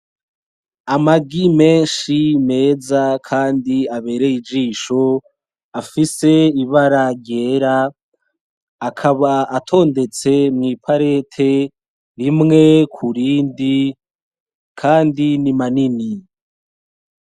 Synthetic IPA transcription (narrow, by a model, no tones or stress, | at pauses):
amaɡime̞ːnʃime̞ːzakʰaːndiaβe̞ːɾe̞id͡ʒiːʃo̞ | afise̞iβaɾaɾɟe̞ːɾa | kʰaβaatʰo̞ːnde̞t͡se̞mŋiːpʰaɾe̞tʰe̞ | ɾimŋe̞kʰuɾiːndi | kʰaːndinimanini